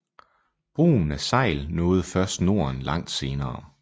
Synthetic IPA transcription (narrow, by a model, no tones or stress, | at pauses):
b̥ʁṵːn̩æsɑ̈ɪ̰lnɔ̽ːð̞̩ˠfɶɐsd̥no̝ɐnlʔɑ̈ŋ̰d̥se̝ːnɐː